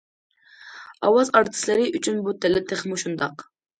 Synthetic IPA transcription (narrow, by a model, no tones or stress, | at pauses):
ɑwɑzɑɾt̪ʰɪ̥slɪɾɪʔyt͡ʃʰynbut̪ʰɛlɛt̪ʰeχmuʃund̪ɑq